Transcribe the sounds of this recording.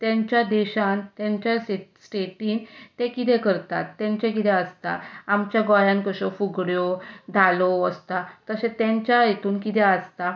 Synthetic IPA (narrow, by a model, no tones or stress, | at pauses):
t̪jãɲt͡ɕjad̪eɕant̪jãɲt͡ɕjaesʈeʈiːnt̪ẽkit̪ɛkəɾt̪a̰t̪ːɛ̃ɲt͡ɕekit̪ɛəst̪a̰amt͡ɕjaɡɔjãnkəɕɔfuɡɽjɔd̪ʱaloəst̪at̪əsẽt̪ɛ̃ɲt͡ɕjajet̪uːnkit̪ɛəst̪a